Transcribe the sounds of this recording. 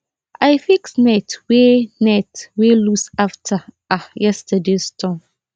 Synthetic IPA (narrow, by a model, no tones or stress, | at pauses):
ʔajfiksnɛtwenɛtwelusaftʰa | ajɛstʰədestʰɔ̃m